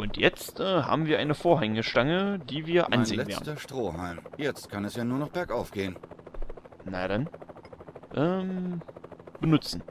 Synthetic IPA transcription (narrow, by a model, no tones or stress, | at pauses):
ʔʊntjɛt͡stʔɛːɦa̰ːbm̩viːɐʔaɪnəfoːɐɦɛŋəʃtaŋədiːviːɐʔa̰nneːɛvḛːnɐʃtʁ̥oːhaɪmjɛt͡st̚kʰanɛsjaːnuːɐnɔχb̥ɛɐkʔaʊfɡ̥eːən | naɾan | ʔɛːm | b̥ənʊt͡sn̩